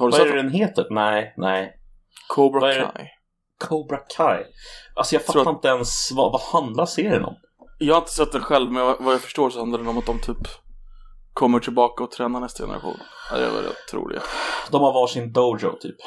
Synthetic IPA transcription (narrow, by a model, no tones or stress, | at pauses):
haɾvaɛɾd̪ɛnɦeːt̪əɾnɛɪnɛɪ | kʰobɾavaɛɾɛa̰j | kʰobɾakʰajʔalsɔjɑɡfat̪ːaɪnt̪əɛnsvavahand̪laseːɾɪə̰nɔ̰m | jɑːhaɪnt̪ə̥sɛt̪̚ːd̪ɛnɧɛlvmɛvavajafœ̥ʂʈoːɾsɔhand̪laɾd̪ɛnɔmat̪̚d̪ɔmt̪ʰyːp | kʰɔmːəʈʰɪlbɑːkaɔt̪ʰɾɛːnaɾɳɛst̪ajɛ̰nə̰ɾa̰ɧṵːna̰dɛ̰va̰ɾɛ̰t̪ʰːɾṵːlɪ̰ɡa̰d̪ɔmhaɾvɑːʈʂɪnd̪oʊd͡ʒo̰t̪ʰy̰ːp